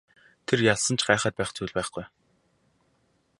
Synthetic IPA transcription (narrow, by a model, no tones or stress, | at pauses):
t̪ʰerjaɮsə̆nt͡ɕʰɢaːχəːt̪̚pæːχt͡suːɮʲpæːχɡuj